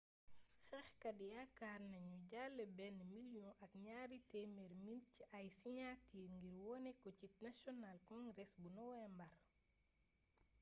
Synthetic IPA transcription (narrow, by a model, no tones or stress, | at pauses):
xɛxkɐdijakaɾnɐɲuɟalːɛbɛnːmilijɔ̃ʔɐkɲaːɾitɛmɛɾmilciʔajsiɲatiːŋɡiɾwɔnɛkɔcit̚nasɔnalkɔ̃ŋɡɾɛsbunɔwɛmbar